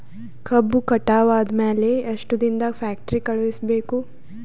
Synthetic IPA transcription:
kʰɐbːukɐʈaːʋaːd̪mɛːleɐʃʈud̪ind̪afɛːk̚ʈɾikɐɭisbeːku

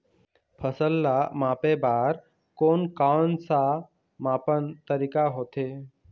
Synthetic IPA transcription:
pʰəsəlːamãːpebaːɾ | koːnkaːnsa | mãːpənt̪əɾiːkaɦoːt̪eː

